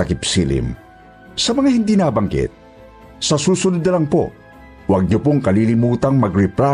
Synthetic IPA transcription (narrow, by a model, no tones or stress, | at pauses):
ɐkɪpsḭːlɪ̰m | sɐmɐŋahɪnd̪iːnaːbɐŋkɪ̰t̪̚ | sɐsuːsʊnʊd̪ɐlɐŋpo̰ | wɐɡ̚ɲʊpoŋkɐlilɪmuːt̪ɐŋmɐɡɾɪpla